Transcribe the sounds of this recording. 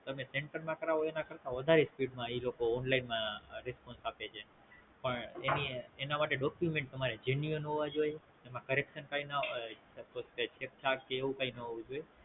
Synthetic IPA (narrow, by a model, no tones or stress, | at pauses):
t̪əmeseɳʈəɾmãkəɾaɦoenakəɾt̪ãʋəd̪ʱaɾespiɖmãilokoːnlainmãɾespɔnsapet͡ʃʰe | pəɳenienamaʈeɖɔkjumẽɳʈ̚t̪əmaɾed͡ʒenuənɦoʋad͡ʒoje | emãkəɾekʃənkaina | əposket͡ʃʰek̚t͡ʃʰakkeːʋũkainəɦoʋũd͡ʒoje